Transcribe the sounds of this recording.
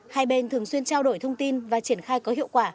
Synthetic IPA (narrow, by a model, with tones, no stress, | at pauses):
haː˧jɓe˧˩nt̪ʰɨ˨˩əŋswi˧ənt͡ɕaː˧wɗo˧˩jt̪ʰə˧wŋ͡mt̪i˧nvaː˨˩t͡ɕi˧˩ənxaː˧jkɔ˨˦hḭ˧əwkwaː˧˩